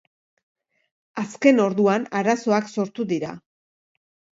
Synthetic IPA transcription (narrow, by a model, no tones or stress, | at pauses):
aske̞no̞ɾðuanaɾaso̞akso̞ɾt̪uðiɾa̰